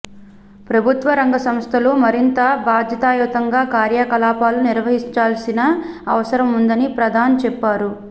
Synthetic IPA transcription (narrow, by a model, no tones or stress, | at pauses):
pɾɐbʱut̪ʋɐɾɐŋɡɐsɐmst̪ʰɐlumɐɾint̪ɐbaːd̪ʱjɐt̪aːjɔːt̪ɐŋɡaːkaːɾjakɐlaːpaːluniɾʋɐɦiɲt͡ʃaːlsinɐː | ʋɐsɐɾɐmund̪ɐnipɾɐd̪ʱaːnt͡ʃɛpːaːɾu